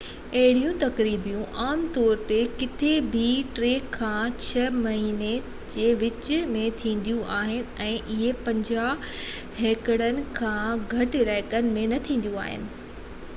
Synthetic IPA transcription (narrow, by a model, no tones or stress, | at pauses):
ɐɦɪɽ̤ijũt̪ɐkɾiːbijũʔaːmt̪ɔːɾt̪ekɪt̪ʰebʱiʈɾeːkʰːãːt͡ɕʰɐmɐɦiːne | d͡ʑeːʋɪt͡ɕmẽt̪ʰĩːn̆d̪ijũʔaːɦɪnɪ̆ɛ̃ːʔɪɦepɐ̃ɲd͡ʑaː | ɦeːkəɽənɪ̆kʰãːɡʱɐʈɾaːɦɪkənɪ̆mẽnɐt̪ʰĩːn̆d̪jũa̰ːɦɪ̰nɪ̆